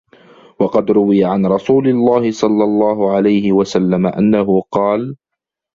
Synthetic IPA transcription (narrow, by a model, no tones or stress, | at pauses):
wɑqɑd̪ɾʊwɪjaʕanɾˤɑsuːlɪlːaːhɪsˤɑlːɑlˤːɑːɦʊʕalajhɪwasalːamaʔa̰nːaɦʊqɑːl